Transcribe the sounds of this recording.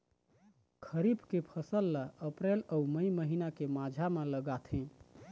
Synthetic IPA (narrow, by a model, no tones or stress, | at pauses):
kʰəɾibkepʰəsəlːaəpɾeləuməiməɦinakemad͡ʒʱameləɡat̪ʰɦɛ̃